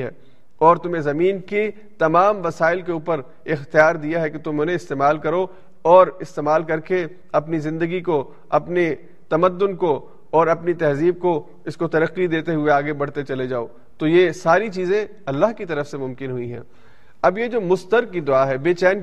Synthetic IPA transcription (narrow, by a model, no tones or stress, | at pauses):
ɦɛ̰ː | ɔːɾt̪ʊm̤ẽzɐmiːnke | t̪ɐmaːmʋɐsaːɪlkeuːpəɾ | ɪxt̪ijaːɾd̪ijaɦɛket̪ʊmɦõneɪst̪eːmaːlkɐɾo | ɔːɾɪst̪eːmaːlkɐɾke | ɐpnizɪ̃nd̪əɡiko | ɐpne | t̪ɐməd̪ːʊnko | ɔːɾɐpnit̪ɛɦziːb̚ko | ɪskot̪ɐɾəqːid̪eːt̪eɦʊeaːɡebɐɽ̤t̪et͡ʃɐled͡ʒaːo̰ː | t̪ojesaːɾit͡ʃiːzẽ | ɐlːaɦkit̪ɐɾəfsemʊ̃mkɪnɦʊĩɦɛ̰̃ː | ɐbjed͡ʒoːmʊst̪əɾkːid̪ʊaːɦɛbeːt͡ʃɛːn